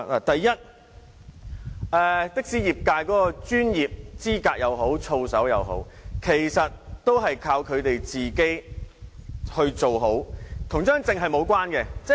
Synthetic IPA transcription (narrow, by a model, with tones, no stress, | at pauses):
la̰ː˨˩t̪ɐ˨jːɐ˥t̚ | ɛː˧t̪ɪ˥k̚siː˨˥jiː˨˩p̚kaː˧jkɔː˨˥kɔː˧t͡ʃyː˥njiː˨p̚t͡siː˥kaː˧k̚jɐ˨˧wɦo˨˥wt͡sʰo˧wsɐ˨˥wjɐ̰˨˧wɦo̰˨˥wkʰe˨˩jsɐ˨t̚t̪o˥wɦɐ˨jkʰaː˧wkʰɵ˨˧ɥt̪e˨jt͡siː˨ke˥j | hɵ˧ɥt͡ʃo˨wɦo˨˥wt̪ʰʊ˨˩ŋt͡ʃœː˥ŋt͡sɪ˨˧ŋɦɐ˨jmo˨˧wkwaː˥nkɛ˧t͡sɛ˥